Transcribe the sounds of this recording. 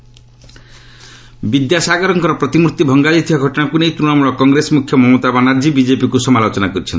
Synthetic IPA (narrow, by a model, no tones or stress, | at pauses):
bid̪jasaɡɔɾɔŋkɔɾɔpɾɔt̪imuɾt̪ibʱɔŋɡad͡ʒit̪ʰibaɡʱɔʈɔnakunejt̪ɾuɽamuɭɔkɔŋɡɾesɔmukʰjɔmɔmot̪abanaɾd͡ʒibid͡ʒepikusɔmalot͡ʃɔnakɔɾit͡ʃʰɔ̰nt̪i